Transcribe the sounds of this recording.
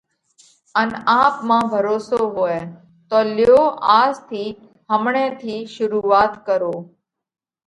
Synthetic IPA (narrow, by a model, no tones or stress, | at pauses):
ənaːpmãːbʱəɾoːsoːɦoːeː | t̪oːlɪjoːaːzt̪ʰiː | ɦəmɳẽːt̪ʰiːʃʊɾuːʋaːt̪kəɾoː